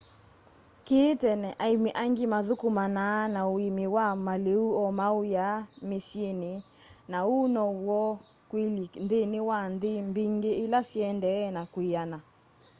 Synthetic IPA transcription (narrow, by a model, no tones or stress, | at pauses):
ketɛnɛʔaimeʔaŋɡimaðokumananaoimewamaleuɔmaojamesjene | naunɔwɔ | kwilindenewandembiŋɡeːlasjɛndɛɛnakwiana